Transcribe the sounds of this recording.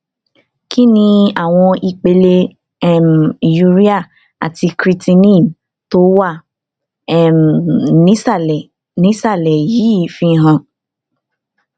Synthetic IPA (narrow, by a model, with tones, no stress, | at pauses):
ki˦nĩ˧a˦˨w̃ɔ̃˧i˧k͡pe˧le˧ | ɛ˦˨m˨i˨ju˧˦ɾi˦a˦˨ | a̰˨ti˧kɾi˧ti˧nĩ˦˨m | to˦wa˦˨ | ɛ˦˨m˨nĩ˦sa˦˨ɛ˨ | nĩ˨˦sa˦˨lɛ˨jiː˨˦˨fi˧ɦã˧˨